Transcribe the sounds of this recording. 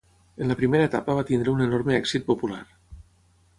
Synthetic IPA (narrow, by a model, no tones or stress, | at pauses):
ənləpɾimeɾəet̪a̰pəβ̞at̪ind̪ɾəunenoɾmeɛksit̪̚popula̰ɾ